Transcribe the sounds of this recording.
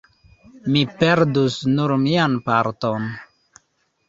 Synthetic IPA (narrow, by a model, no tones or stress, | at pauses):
mipeɾdusnuɾmianpaɾton